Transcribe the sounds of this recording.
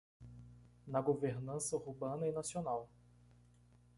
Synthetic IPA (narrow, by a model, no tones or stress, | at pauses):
nɐɡoveɾnɐ̃sɐhubɐ̃nɐinasionaw